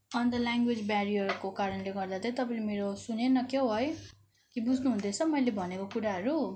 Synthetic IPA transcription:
ʌnd̪ʌlaŋɡwed͡zbaɾiʌrkokaɾʌnleɡʌrd̪at̪ʰʌjt̪ʌpaĩlemeɾosunenʌkeɦʌj | kibud͡zʱnuɦũnd̪et͡sʰʌmʌjlebʱʌnekokuɾaɦʌɾu

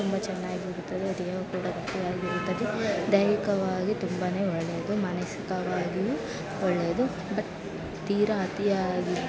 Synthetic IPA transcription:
t̪umbɐt͡ʃɛnːaːɡioɾut̪ːɐd̪eɐd̪ɛɐʋɐkuːɽɐɡ̪ɐtijaːɡiɾut̪ːɐd̪ed̪ɐjɾikɐʋaːɡit̪umbane̞ːɔɭːe̞ːd̪umɐnɐsikɐʋaːɡiju | ɔɭːeːd̪u | bɐʈ | t̪iːɾɐɐt̪ijaːɡi

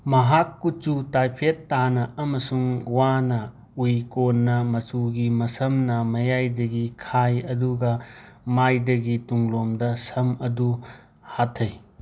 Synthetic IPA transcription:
mɐɦakːut͡ʃutajpʰetːanɐɐmɐsuŋwanɐ | ujkonːɐmɐsuɡimɐsɐmnɐmɐjajdɐɡikʰajɐduɡɐ | majdɐɡituŋlomdɐsɐmɐdu | hatʰːɐj

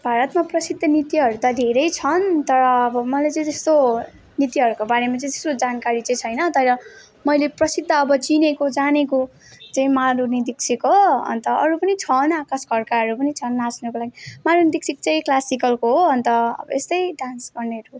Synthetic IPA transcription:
bʱaɾʌt̪maprʌsid̪ʱːʌnit̪iɦʌɾut̪ʌd̪ʱeɾʌjt͡sʰʌnt̪ʌɾʌːbʌmʌlet͡sʌĩt̪est̪o | nit̪iɦʌɾukobaɾemat͡sʌĩt̪e̥st̪od͡zankaɾit͡sʌ̃j̃t͡sʰʌjnʌt̪ʌɾʌ | mʌjleprʌsid̪ʱːʌːbʌt͡sinekod͡zaneko | t͡sʌĩmalunid̪iksʰikɦoʌ̰nt̪ʌʌɾupʌnit͡sʰʌnakasɡʱʌrkaɦʌɾupʌnit͡sʰʌnːasnʌkolaɡimalunid̪iksʰikt͡sʌĩklasikʌlkoɦoɦʌnt̪ʌʌ̰bʌ̰est̪ʌjɖansɡʌrneɾu

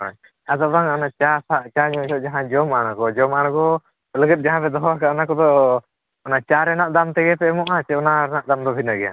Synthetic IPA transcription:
a̰ɲ | ad̪ɔbaŋaɔnat͡ʃasaʔt͡ʃaɲɔsɔʔd͡ʒaɦãd͡ʒɔmaɽ̃akɔd͡ʒɔmañakɔ | ləɡət̪̚d͡ʒaɦãpɛd̪ɔɦɔwakaanakɔd̪ɔ | ɔnat͡ʃaɾɛnaʔd̪amt̪ɛɡɛpɛmɔʔat͡ʃɛɔnaɾɛnaʔd̪amd̪ɔbʱinaɡɛja̰

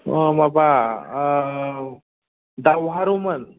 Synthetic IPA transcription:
maba | d̪awɦaɾumən

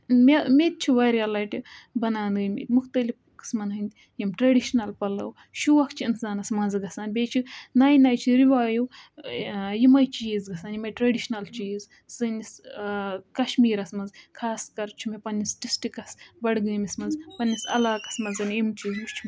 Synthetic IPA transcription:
memeːt̪̚t͡ʃʰiʋaɾiɐlaːjʈibɐnaːnɨːjmḛːt̪ʲmukʰt̪ɐlifkɨ̥smɐnɦɨnʲt̪ʲ | jimʈɾɐɖiʃnɐlpɐlɐ̰w | ʃuʋɐkʰt͡ʃʰiinsaːnɐsmɐnzɨɡɐsaːnbʲeːt͡ʃʰinaːjnaːjt͡ʃʰiɾiʋaːjuw | jimɐjt͡ʃiːzɡɐsaːnjimɐjʈɾɐɖiʃnɐlt͡ʃiːz | sɨnis | kɐʃmiːɾɐsmɐnzkʰaːskɐɾt͡ʃʰimepɐnʲːisʈisʈikɐsbɐɽɡɨːmʲismɐnzpɐnʲːisɐ̰laːkɐ̥smɐnzɐnjimt͡ʃiːzut͡ʃʰim

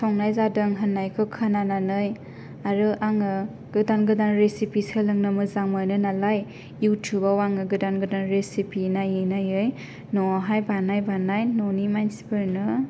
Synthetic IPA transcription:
sʰɔŋnajzadɯŋɦɯnːajkʰɯkʰanananɯj | aɾɯʔaŋɯ | ɡ̥ɯdanɡɯdanɾesipisɯlɯŋnɯmɯzaŋmajnɯnalaj | jutʰjubawaŋɯɡɯdanɡɯdanɾesipinajenajɯj | nɔaɦajbanajbanajnɔnimajnsi̥peɾnɯ

